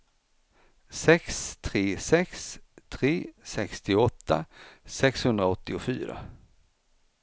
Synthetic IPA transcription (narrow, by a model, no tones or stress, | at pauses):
sɛkst̪ʰɾeːsɛkst̪ʰɾeːsɛkst̪ɪɔt̪ːa̰sɛkshɵnd̪ɾaɔt̪ːɪʊfyːɾa̰